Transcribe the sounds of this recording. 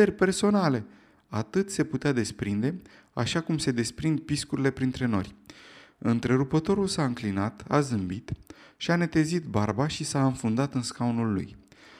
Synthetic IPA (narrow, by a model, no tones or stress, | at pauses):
erʲpe̞rso̞nale̞ | at̪ɨt̪se̞put̪ead̪e̞spɾind̪e̞ | a̰ʃakumse̞d̪e̞spɾind̪̚piskuɾile̞pɾint̪ɾe̞no̞̰rʲ | ɨnt̪ɾe̞ɾupət̪o̞ɾulsaɨŋklinat̪a̰zɨmbit̪ | ʃiane̞t̪e̞zit̪barbaʃisaɨnfund̪at̪ɨnskaunulːṵj